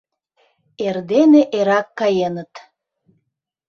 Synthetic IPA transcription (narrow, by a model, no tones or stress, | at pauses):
erd̪eneʔeɾɑkːɑjenət̪